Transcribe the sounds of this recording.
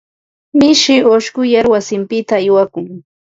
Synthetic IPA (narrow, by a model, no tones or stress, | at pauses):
mɪʃɪoʃkʊjaɾwasɪmpɪt̪aːjwakʊŋ